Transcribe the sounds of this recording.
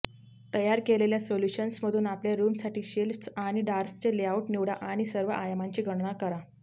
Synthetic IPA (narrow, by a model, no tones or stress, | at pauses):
t̪əjaɾkeleljasoljuɕənsməd̪ʱuːnapljaɾumsaʈiːɕelfsaɽ̃iɖaɾst͡ɕeleauʈniʋɽaʔaɽ̃isəɾʋəʔajamaɲt͡ɕiːɡʱəɽɳakəɾa